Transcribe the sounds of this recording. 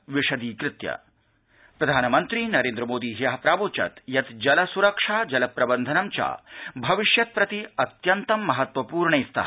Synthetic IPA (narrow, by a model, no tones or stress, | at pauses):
ʋiʂɐd̪iːkɾɪt̪jɐ̰ | pɾɐd̪ʱaːnɐmɐnt̪ɾiːnɐɾeːnd̪ɾɐmoːd̪iːɦijɐɦɐpɾaːboːt͡ʃɐ̰t̪jɐt̪d͡ʒɐlɐsuɾɐkʂaːd͡ʒɐlɐpɾɐbɐnd̪ʱɐnɐmt͡ʃa̰bʱɐʋiʃjɐt̪̚pɾɐt̪iɐt̪jɐnt̪ɐmːɐɦɐt̪ʋɐpuːɾɳɐist̪ɐ̰ɦ